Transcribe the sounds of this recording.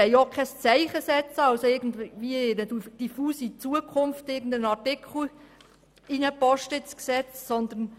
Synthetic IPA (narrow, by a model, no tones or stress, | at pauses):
ɛɪokʰɛst͡sɛɪχəsɛt͡səɑʊsoɪɡn̩dviːɪɾədd̥ifuːsit͡suəkʰʊmftɪɡn̩dənɑtɪkʰχl̩ | inəpɔʃtət͡sksɛt͡ssɔnd̪ən